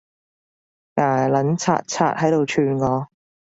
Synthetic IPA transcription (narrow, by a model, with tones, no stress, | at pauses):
naː˨˩lɐ˨˥nt͡sʰa̰ː˧t̚t͡sʰa̰ː˧t̚hɐ˨˥jt̪o˨wt͡ʃʰyː˧nŋɔː˨˧